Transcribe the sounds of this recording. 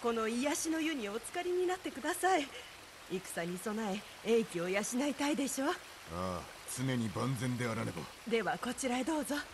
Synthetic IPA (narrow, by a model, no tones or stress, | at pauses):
ko̞no̞ijaɕino̞jɯ̟ɲ̟io̞t͡sɨ̥kaɾʲiɲ̟inat̪ːe̞kɯd̪asai | ikɯ̟̥saɲ̟iso̞nae̞ | ẽkʲio̞jaɕinait̪aid̪e̞ɕo̞ː | a̰ː | t͡sɨne̞ɲ̟ibãnd͡zẽ̞nd̪e̞aɾanebo̰ | d̪e̞βako̞t͡ɕiɾad̪o̞ːzo̞